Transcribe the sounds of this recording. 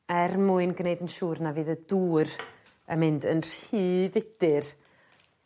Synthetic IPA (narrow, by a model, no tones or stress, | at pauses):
ɛrmuɨnɡnejdənʃuːrnaviːðəduːr | əmɪndənr̥hiːvɪd̥ɪr